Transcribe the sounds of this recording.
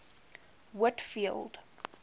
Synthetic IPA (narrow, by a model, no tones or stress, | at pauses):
wʊtfilˠd̥